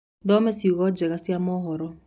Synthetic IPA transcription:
ðɔmɛsiuɣɔd͡ʒɛɣasiamɔɦɔɾɔ

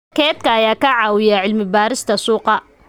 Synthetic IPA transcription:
kʰɛːd̪kʰɐɐjaːkʰɐʕɑːwɪjaʕɪlmɪbaːɾɪst̪ʰɐsuːqɑ

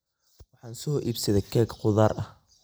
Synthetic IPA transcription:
wɑħɑːnsɔʔiːbsɐðɛkʰɛːɡqʊðaːrʔɐh

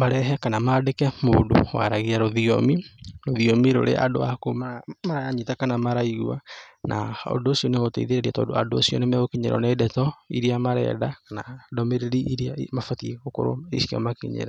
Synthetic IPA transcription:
maɾɛɦɛkanamadekɛmo̰ːndo̰wa̰ɾaɣiaɾoðiomiɾoðiomiɾo̰ɾḛʔa̰do̰akomamaɾajaɲitakanamaɾaiɣwa̰nʔa̰ɔ̰ndoːsiɔneɣotḛiðeɾeɾiatɔ̰doadoːsiɔnemɛɣokiɲḛɾɔ̰neːdɛtɔḭɾiamaɾɛ̰ːdakanadɔmeɾeɾiiɾiamafatiɣoko̰ɾo̰ḛsiɔ̰makḭɲḛɾa

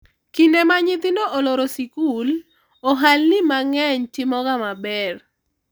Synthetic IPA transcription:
kindemaɲɪt̪ɪnoʔolɔɾosikul | ɔɦalnɪmaŋɛɲtɪmɔɡamabɛr

